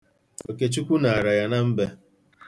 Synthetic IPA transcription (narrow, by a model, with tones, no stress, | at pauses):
o˨ke˦t͡ʃu˦kʷu˦na˨a˨ɾa˨ja˦na˦m̩˦be˦